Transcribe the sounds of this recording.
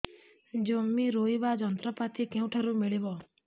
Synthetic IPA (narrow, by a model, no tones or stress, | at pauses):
d͡ʒɔmiɾoiʋad͡ʒɔnt̪ɾəpat̪ʰikẽũʈʰəɾũmɪɭeʋɔ